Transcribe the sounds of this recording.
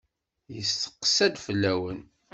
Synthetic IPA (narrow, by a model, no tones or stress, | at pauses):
jəst̪ə̥qːə̥sæd̪fəlːæwən